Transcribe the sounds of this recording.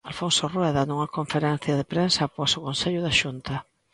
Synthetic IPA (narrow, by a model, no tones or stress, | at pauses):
alfonsorwɛðanuŋɐkoɱfeɾɛn̟θjɐðepɾensɐpɔsʊkonseʎʊðaʃunt̪ɐ